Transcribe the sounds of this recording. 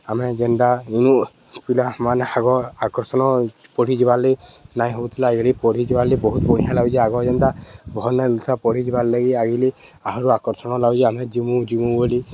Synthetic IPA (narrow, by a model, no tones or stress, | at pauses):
amɛd͡ʒend̪ainu | pilamanaɡɔakɔɾsɔnɔ | pɔɽid͡ʒibalinaj̃ɦobut̪ʰilaɡlipɔɽid͡ʒibalibɔɦut̪̚bɔɽ̃ijalaɡd͡ʒiaɡɔd͡ʒɛnd̪abʱɔnɛlut̪ʰapɔɽ̤id͡ʒiballeɡiaɡili | aɦɔɾuakɔɾsɔnɔlaɡd͡ʒiamɛd͡ʒimud͡ʒimubɔli